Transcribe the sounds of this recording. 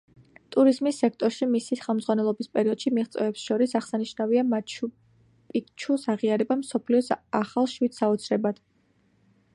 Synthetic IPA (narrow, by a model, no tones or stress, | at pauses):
t̪ʼuɾizmisːɛk̚ʰt̪ʼɔɾʃimisiχɛlˠmdzʁwanɛlˠɔbispʼɛɾiɔd̪̥ʃimiʁt̪sʼwɛɛpsʃɔɾisaχsaniʃnaviama | pʼikt͡ʃʰusaʁiaɾɛbamsɔpʰliɔsaχalˠʃwit̪saɔt̪sʰɾɛbad̪̥